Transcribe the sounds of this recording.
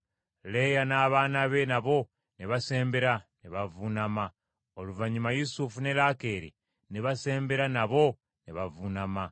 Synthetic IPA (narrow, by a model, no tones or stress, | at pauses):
le̞janaːβaːnaβenaβo̞ | neβase̞ːmbe̞ɾaneβavunama | oluvaɲumajusufune̞lakeːɾḭ | neβase̞ːmbe̞ɾanaβo̞ | neβavunama